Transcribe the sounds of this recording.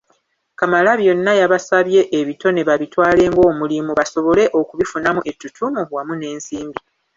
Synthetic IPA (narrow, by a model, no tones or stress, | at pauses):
kamalaβjo̞nːajaβasaβje̞ʔːβito̞ne̞βaβitwaːle̞ːŋɡo̞ːmulimuβaso̞βo̞leʔo̞kuβifunamuʔe̞tːutʰumuwamune̞ːnsiːmbi